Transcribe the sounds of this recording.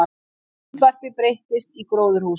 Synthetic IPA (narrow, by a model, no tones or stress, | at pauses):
t̪ʰvar̥pɪpɾejht̪ɪst̪ikɾoːwðʏɾ̥huː